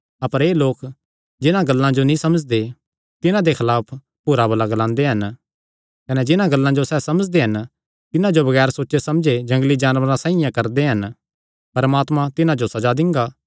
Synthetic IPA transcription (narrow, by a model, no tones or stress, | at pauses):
ɐpəɾeːloːk | d͡ʒɪnãɡɐlːãd͡ʒonĩsɐməd͡ʒd̪e | t̪ɪnãd̪ekʰɐlaːpʰ | pʊɾabɐlaɡɐlãːnd̪eɦɐn | kɐnɛd͡ʒɪnãɡɐlːãd͡ʒosɛːsɐməd͡ʒd̪eɦɐn | t̪ɪnãd͡ʒobɐɡɛːɾsoːʃesɐmd͡ʒed͡ʒɐ̃ŋɡlid͡ʒaːnʋɾãsãːĩjãkɐɾd̪eɦɐn | pɐɾmaːt̪mãt̪ɪnãd͡ʒosɐd͡ʒad̪ɪ̃ŋɡaː